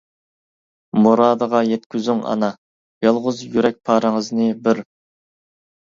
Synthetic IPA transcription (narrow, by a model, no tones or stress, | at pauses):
moɾɑːd̪əʁɑjɛt̪̚kʲʰyzyŋɑ̰nɑ | jɑlˠʁʊzjyɾɛk̚ʲpʰɑːɾəŋəznɨbɪɾ